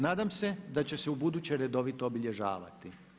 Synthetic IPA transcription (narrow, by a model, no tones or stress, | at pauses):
naːd̪amsed̪at͡ɕe̞se̞ubud̪ut͡ɕeɾe̞d̪o̞ʋit̪o̞obiʎe̞ʒa̰ːʋa̰t̪i